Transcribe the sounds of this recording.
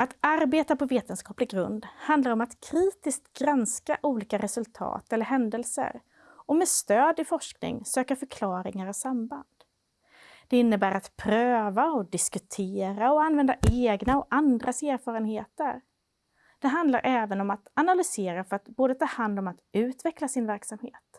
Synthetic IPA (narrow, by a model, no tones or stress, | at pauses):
at̪aɾbeːt̪apɔveːt̪ənskɑːplɪɡɾɵ̰nd̪hand̪laɾɔmat̪kʰɾiːt̪ɪskt̪ɡɾanska̰ʔuːliːkaɾɛsɵlt̪ʰɑ̰ːt̪ɛlːəɾɦɛnd̪ɛlsə̰ɾ | ɔmɛːd̪st̪øːd̪ɪfɔʂknɪ̰ŋsøːkafœɾkʰlɑːɾɪŋaɾɔsamband̪̥ | d̪̥ɛɪnːəbæːɾat̪pʰɾøːvaɔd̪ɪskɵt̪ʰeːɾaɔanːvɛnd̪aʔeːɡnaɔand̪ɾʔaseːɾfɑːɾənheːt̪əɾ | d̪̥ɛɦand̪laɾʔɛːvənɔmat̪analʏseːɾafœɾat̪boːd̪ət̪ʰɑːɾhand̪ɔmat̪ʉ̟ːt̪vɛklasɪnvæɾksamhḛːt̪